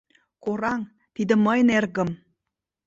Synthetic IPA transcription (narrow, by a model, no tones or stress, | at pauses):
koɾɑŋ | t̪id̪ə̆məjnerɣə̆m